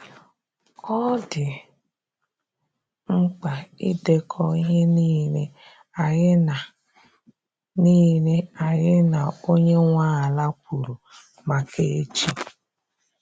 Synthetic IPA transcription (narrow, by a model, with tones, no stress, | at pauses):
ɔ˦dɪ˨ | ŋ͡m̩˦k͡pa˨ḭ˦de˦kʰɔ˦i˦ɦe˦ni˦le˦ | a˨˦na˨ | niː˦le˦a˨jɪ˦na˨o˦ɲe˦ŋʷa˦a˨la˦k̚ʷu˨ɾu˨ | ma˨kʰe˦e˦t͡ʃi˦